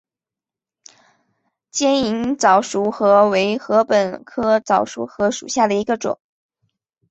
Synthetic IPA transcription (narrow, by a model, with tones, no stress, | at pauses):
t͡ɕjɛ˥ni˧˥ŋt͡sɑ˨˩ʊʂu˧˥xɤ˧˥we˧˥ɪxɤ˧˥pə˨˩nkʰɤ˥t͡sɑ˨˩ʊʂṵ˧˥xɤ˧˥ʂṵ˨˩ɕja˥˩d̪ə˩i˧˥ɡə˧ʈ͡ʂʊ̰˨˩˦ŋ